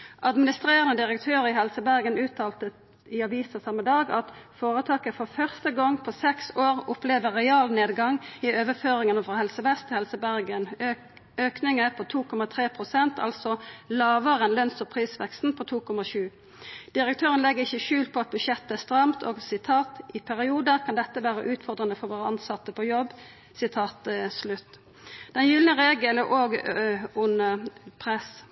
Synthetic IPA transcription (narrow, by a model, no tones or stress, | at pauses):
ʔɑd̪mɪnɪst̪ʁeːʁənəd̪ɪʁəkt̪ʰøːʁɪhɛlsəbæʁɡənʉːt̪ʰɑːlt̪ə | ɪɑʋiːsəsɑmːəd̪ɑːɡɑt̪foːʁət̪ʰɑːkəfɔfœʁst̪əɡɔŋpʰɔsɛksoːʁʊpleːʋəʁɛɑːlneːd̪ɡɑŋɪøːʋəføːʁɪŋənəfʁɑhɛlsəbɛst̪ʰːɪhɛlsəbæʁɡən | øːknɪŋəpʰɔt̪ʰuːkʰɔmɑt̪ʰʁeːpʰʁʊsɛnt̪ʰɑ̰lsɔlɑːʋəʁənlœnsɔpʰʁiːsʋɛkst̪n̩pʰɔt̪ʰuːkʰɔmɑʃʉː | d̪̥ɪɾək̚t̪ʰøːʁənlɛɡəɪçːəʃʉːlt̪̚pʰɔɑt̪̚bʉʃɛt̪ːəæst̪ɾɑmt̪ʰo̰ːɡsɪt̪ʰɑːt̪ɪpʰæʁɪuːd̪əkʰɑnd̪ɛt̪ːəʋæːʁəʔʉːt̪fɔʁd̪ʁənəfɔɾʋoːʁəɑnsɑt̪ːəpʰɔjɔbː | sɪt̪ʰɑːt̪slʉt̪ː | d̪̥ɛnjʏlnəʁeːɡələʔoːɡʊnəpʰʁɛs